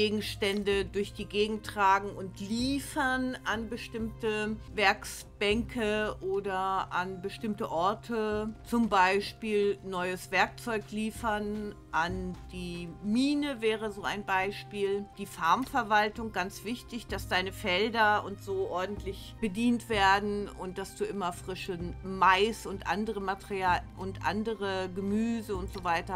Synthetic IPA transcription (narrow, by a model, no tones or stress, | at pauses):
ɡeːɡŋ̩ʃtɛndədʊɐçd̥iːɡeːɡŋ̩tʁ̥aːɡŋ̩ʊntliːfɐnʔanbəʃtɪmtəvɛɐks | b̥ɛŋkʰəʔoːdɐʔanbəʃtɪmtəʔɔɐtʰət͡sʊmbaɪʃpiːlnɔʏəsv̥ɛɐk̚t͡sɔʏkliːfɐn | ʔand̥iːmiːnəvɛːʁ̞əzoːa̰ɪnbaɪʃpiːld̥iːfaɐmfɛɐvaltʊŋɡant͡sv̥ɪçtɪçd̥asd̥aɪnəfɛldɐʊntz̥oːʔɔɐdn̩tʰlɪç | b̥ədiːntv̥eːɐdn̩ʊnt̚d̥asd̥uːʔɪmɐfʁ̥ɪʃəmaɪsʊntʔa̰ndəʁəmatəʁiaːʔʊntʔa̰ndəʁəɡəmyːzəʊntz̥oːvaɪtɐ